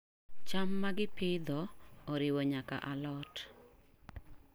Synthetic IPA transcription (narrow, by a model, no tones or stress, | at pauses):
t͡ʃamːaɡɪpɪd̪ɔoɾɪwɔɲaka̰ʔalɔt